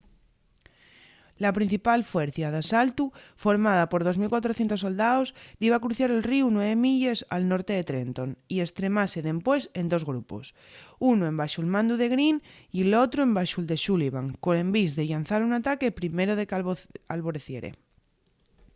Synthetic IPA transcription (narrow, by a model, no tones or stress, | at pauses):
lapɾĩn̟θipalfweɾθjað̞asalt̪ufo̞ɾmaðapo̞ɾð̞o̞zmilkwat̪ɾoθjent̪o̞so̞ld̪aozðiβakɾuθjaɾelriunweβemiʎe̞sa̰lnoɾt̪e̞ðet̪ɾent̪o̞nie̞st̪ɾe̞mase̞ðe̞mpwe̞se̞nd̪o̞zɣɾupo̰s | unoe̞mbaʃulmãnd̪uðe̞ɣɾinilot̪ɾoembaʃuld̪eʃuliβ̞aŋkonẽ̞mbizðe̞ʎan̟θaɾunat̪ake̞pɾime̞ɾoðekalβoɾeθjeɾḛ